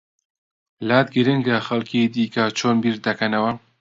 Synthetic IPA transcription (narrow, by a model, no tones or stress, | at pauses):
laːt̪ɡɨɾɪŋɡɐxɐlkʰiːd̪iːkɐt͡ʃʰoːnbiːɾd̪ɐkʰɐnɐwɐ